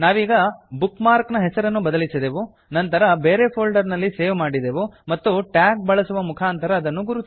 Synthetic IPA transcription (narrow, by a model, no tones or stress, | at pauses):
naːʋiːɡɐbukmaːɾknɐɦɛsɐɾɐnːubɐd̪ɐlisid̪eːʋu | nɐnt̪ɐɾɐbeːɾeːpʰoːlɖɐɾnɐlːiseːʋmaːɽid̪eːʋumɐt̪ːuʈjaːk̚bɐɭɐsuʋɐmukʰaːnt̪ɐɾɐːd̪ɐnːuɡuɾut̪